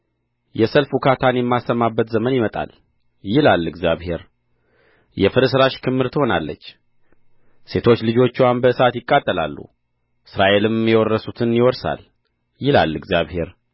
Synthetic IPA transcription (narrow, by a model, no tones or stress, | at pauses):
jɛsəlfukʰat̪ʰanjɛmːasːəmːabːət̪zəmənjɪmət̪ʼa̰l | jɪlalːɨɡzjaβhe̞ɾ | jɛfɨɾɨsɨɾaʃkʰɨmːɨɾt̪ʰɨho̞nalːə̰t͡ʃː | se̞t̪ʰot͡ʃːlɨd͡ʒo̞t͡ʃːiwanbəsat̪jɪkʼːat̪ʼːəla̰lːṵ | ʔɨsɾaʔe̞lɨmjɛwɔrːəsut̪ʰɨnjɪwɔɾsa̰l | jɪla̰lːɨɡzjaβhe̞ɾ